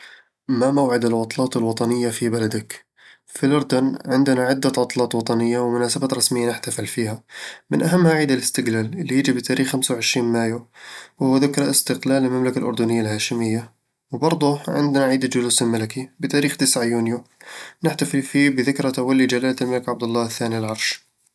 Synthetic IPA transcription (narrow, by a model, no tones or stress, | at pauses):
mamawʕɪd̪alwɑt̪ˤlɑːt̪ɪlwɑt̪ˤɑnɪjːafibalad̪ak | filʊɾˤd̪ʊnʕɪnd̪ɪnaʕɪd̪ːat̪ʕɑt̪ˤlɑːt̪ˤwɑt̪ˤɑnɪjːawmʊnaːsabaːt̪ɾˤɑsmɪjːanɪħt̪afɪlfiːhamɪnʔaɦamːhaʕiːd̪alɪst̪ɪɡlaːlɪlːijɪd͡ʒibɪt̪ʰaːɾiːxːamsawʕɪʃɾiːnmaːjuwhʊwːaðɪkɾˤɑʔɪst̪ɪqlaːlɪlmamlakalʔʊ̰ɾd̪ʊnɪjːalhaːʃɪmɪjːa | wbɑɾˤd̪ˤʊʕɪ̰nd̪naʕiːd̪ad͡ʒʊluːsɪlmalakibɪt̪aːɾiːxt̪ɪsʕajuːnjunɪħt̪afɪlfiːbɪðɪkɾat̪awalːid͡ʒalaːllmalɪkʕab̚d̪ʊlːɑːɪθːaːnilʕɑɾˤʃ